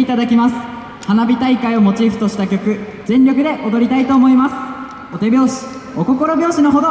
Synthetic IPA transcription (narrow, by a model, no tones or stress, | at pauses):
it̪ad̪akʲimasɨ̥ | hanabʲit̪aikaio̞mo̞t͡ɕiːɸɯ̟t̪o̞ɕi̥t̪akʲo̞kɯ̟ | zẽ̞nɾʲo̞kɯ̟d̪e̞ʔod̪o̞ɾʲit̪ait̪o̞ːmo̞imasɨ̥ | o̞t̪e̞bʲo̞ːɕi̥ | oko̞ko̞ɾo̞bʲjo̞ːɕino̞ɦo̞d̪o